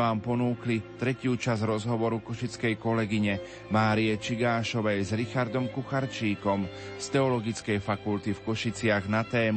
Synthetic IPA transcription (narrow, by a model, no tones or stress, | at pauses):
aːmpɔnuːklit̪ɾɛcɪuːt͡ʃazɾɔzɦɔʋɔɾukɔʃit͡skɛjkɔlɛɡiɲɛ | maːɾiɛt͡ʃiɡaːʃɔʋɛjzɾixaɾd̪ɔmkuxaɾt͡ʃiːkɔm | st̪ɛɔlɔɡit͡skɛjfakult̪ifkɔʃit͡sɪaɣnat̪ɛːm